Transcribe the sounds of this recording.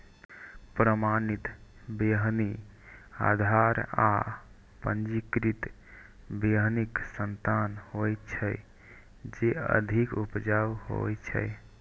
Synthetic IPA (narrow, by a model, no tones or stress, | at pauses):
pɾəmanit̪ | beɦni | a̰d̪ʱaɾa̰ | pənd͡ʒikɾit̪ | beɦniksənt̪anhojt̪t͡ʃʰəj | d͡ʒeə̰d̪ʱikupd͡ʒawho̰t͡ʃʰə̰j